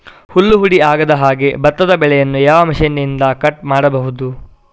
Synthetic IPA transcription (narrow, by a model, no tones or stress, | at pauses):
hulːuɦuɽiaːɡɐd̪ɐɦaːɡe̞bɐt̪ːɐd̪ɐbɛɭɛjɐnːujaːʋɐmiʃɐnːind̪ɐkɐʈ̚maːɽɐbɐɦud̪u